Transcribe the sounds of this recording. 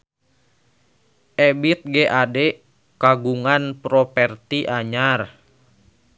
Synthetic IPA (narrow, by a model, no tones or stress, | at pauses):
ʔɛbit̪̚ɡɛʔadɛ | kaɡuŋanpɾɔpɛrt̪iʔaɲar